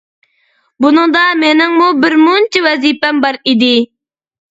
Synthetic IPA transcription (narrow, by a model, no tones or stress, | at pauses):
bunɨŋd̪ɑmenɪŋmubɪɾmunt͡ʃʰiwɛzipɛmbɑɾid̪ɪ